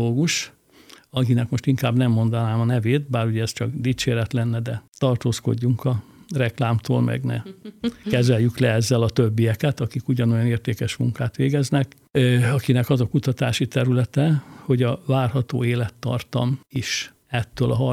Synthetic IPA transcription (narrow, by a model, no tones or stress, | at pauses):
oːɡuʃ | ɒkinɛkmo̞ʃt̪iŋkaːbnɛmːo̞nd̪ɒnaːmɒnɛveːt̪̚baːɾuɟɛɛst͡ʃɒkd̪iːt͡ʃeːɾɛt̪lɛnːɛd̪ɛt̪ɒrt̪oːsko̞̰ɟːuŋkɒ | rɛklaːmt̪ʰo̰ːlmɛ̰ɡnɛ̰kɛzɛljyklɛɛzːɛlɒt̪øbːijɛkɛt̪ɒkikuɟɒno̞jɒneːrt̪eːkɛʃmuŋkaːt̪ʋeːɡɛznɛk | ɒkinɛkɒzɒkut̪ɒt̪aːʃit̪ɛɾylɛt̪ɛho̞ɟɒvaːrhɒt̪o̰ːeːlɛt̪ːɒ̰rt̪ɒ̰miʃ | ɛt̪ːøːlɒɦɒ